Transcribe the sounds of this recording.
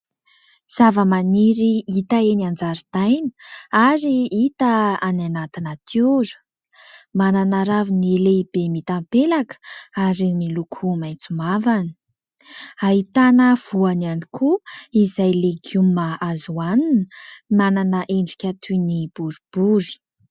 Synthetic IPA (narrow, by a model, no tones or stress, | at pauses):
z̥avəmaniɾiit̪aeniand͡zaɾid̪̥ajnə̥aɾiit̪əananat̪inat̪ʰuɾə̥ | mananaɾavinileib̥emit̪ampelakə̥aɾimilukʰumajt͡sumavani̥ | aɦit̪anəv̥uanianikʰuizajleɡumaazuaninəmananəʔeɳɖ͡ʐi̥kʲat̪ʰunib̥uɾib̥uɾi̥